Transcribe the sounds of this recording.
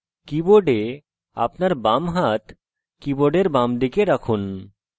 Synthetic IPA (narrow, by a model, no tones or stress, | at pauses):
kiboɖe | a̰pnaɾbamɦat̪ | kiboɖeɾbamd̪ikeɾakʰun